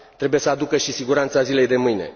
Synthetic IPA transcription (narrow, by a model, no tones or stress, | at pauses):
t̪ɾe̞buje̞səad̪ukəʃisiɡuɾant̪sazile̞jd̪e̞mɨjne̞̰